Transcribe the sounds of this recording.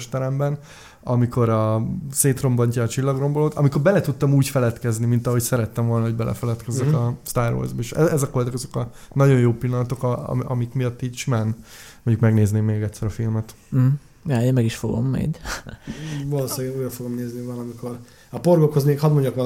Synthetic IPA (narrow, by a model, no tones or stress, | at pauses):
ʃt̪ɛɾɛmbɛn | ɒmiko̞ɾɒseːt̪ro̞mbɒɲcɒːt͡ʃilːɒɡro̞mboloːt̪ɒ̰miko̞rbɛlɛt̪ut̪ːɒmuːcfɛlɛt̪kɛznimint̪ɒɦo̞csɛɾɛt̪ːɛɱvo̞lnɒɦo̞ɟbɛlʔɛ̰fɛlɛt̪kɛzɛkɒst̪aːrvo̰ːrzbɒeʃɛ̰ɛzɒkold̪ɑkɒzo̞kɒnɒɟo̞jjoːpilːɒnɒt̪o̞kɒ̰mikmijɒt̪ːiːcʃimaːnmoɲɟukmɛɡneːzneːmːeːɡɛt̪ʲsːɛɾɒfilmɛt̪̩ | jaːeːnmɛɡiʃfo̞ɡo̰mːɛ̰d | voloːsaːɡeuːjɾɒfoɡomneːznivɒlɒmikʰo̞ɾ | ɒporɡokhozmeːkhɒd̪moɲːɒkʋɒ